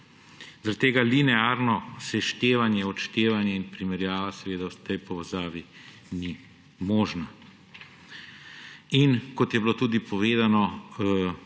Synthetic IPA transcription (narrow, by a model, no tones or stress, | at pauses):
zaɾakt̪eːɡalinɛaːɾnɔsɛʃt̪eːʋanjɛɔt͡ʃt̪eːʋanjɛinpɾimɛɾjaːʋasɛʋeːd̪awt̪ɛjpɔʋɛzaːʋi | ni | mɔːʒna | inkɔt̪jɛbilot̪uːd̪ipɔʋeːd̪anɔ